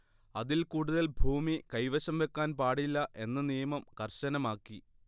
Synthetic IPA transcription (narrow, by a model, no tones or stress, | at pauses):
ɐðilkuːɽuðɐlbʱuːmikɐjʋɐɕɐmʋe̞kːaːnpaːɽilːɐʔe̞nːɐnijɐmɐmkɐrɕɐnɐmaːkːi